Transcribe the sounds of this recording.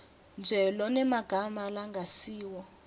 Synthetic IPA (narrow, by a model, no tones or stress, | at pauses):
nd͡ʒʱɛlɔnɛmaɡ̥ʱamalaŋɡʱasiːwɔ